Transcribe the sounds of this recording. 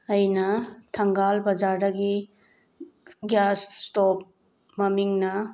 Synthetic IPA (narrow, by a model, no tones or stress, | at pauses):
ɐjnɐtʰɐŋɡalbɐd͡ʒaɾdɐɡi | ɡjasstop̚ | mɐmiŋnɐ